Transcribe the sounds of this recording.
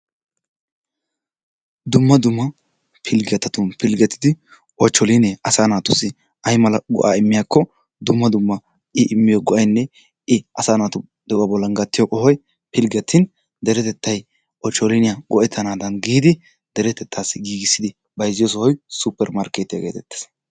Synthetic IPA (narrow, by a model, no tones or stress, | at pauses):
d̪ʊmːɐd̪ʊmːɐ | pʰɪlɡɛt̪ːɐt̪ʊnpɪlɡɛt̪ʰːɪd̪ɪ | ʔɔt͡ʃːɔlinɛʔɐsaːnaːt̪ʊsɪ | ɐjmɐlɐɡɔ̰ʔaːɪmːɪjakːɔ | d̪ʊmːɐd̪ʊmːɐ | ɪʔɪmːɪjɔɡɔʔɐjnːɛ | ɪʔɐsaːnaːt̪ʊ | d̪̥ɛʔɐbɔlːɐŋɡɐt̪ːɪjoʔʼɔhɔj | pɪlɡɛt̪ʰːɪn | d̪ɛɾɛt̪ɛt̪ʰːɐj | ʔɔt͡ʃːɔlinɪjaɡɔʔɛt̪ʰːɐnaːd̪ɐnɡiːd̪ɪ | d̪̥ɛɾɛt̪ɛt̪ʰːaːsːɪɡiːɡɪsːɪd̪ɪ | bɐjzɪjɔs̬ɔhɔjsupːɛɾmaɾkeːt̪ɪjɐ̰ɡḛːt̪ɛt̪ːɛ̥s